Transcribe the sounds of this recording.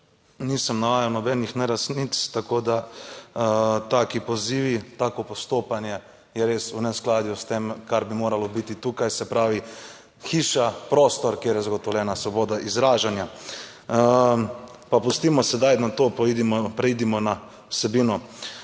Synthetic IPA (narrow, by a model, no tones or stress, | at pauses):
niːsɐmnaʋaːjawnɔbɛnixnɛɾasnit̪st̪akoːd̪a | t̪aːkipɔziːʋit̪aːkɔpɔst̪oːpanjɛ | jɛɾeːsunɛsklaːd̪just̪emkaɾbimoːɾalɔbit̪it̪uːkajsɛpɾaːʋi | xiːʃapɾoːst̪ɔɾkjeːɾjɛzaɡɔt̪ɔʋlʲɛːnasʋɔboːd̪aʔizɾaːʒanja | papust̪iːmɔsɛd̪ajnat̪oːpɔid̪imɔpɾɛiːd̪imɔna | wsɛbiːnɔ